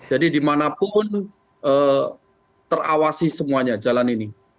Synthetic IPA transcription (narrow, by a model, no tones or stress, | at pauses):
d͡ʒadidimanapʊn | ʔəː | t̪ərawasisəmuaɲad͡ʒalanini